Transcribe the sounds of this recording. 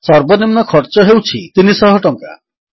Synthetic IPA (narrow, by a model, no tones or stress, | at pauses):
sɔɾbɔnimnɔkʰɔɾt͡ʃɔɦewt͡ʃʰit̪inisɔɦɔʈɔŋka̰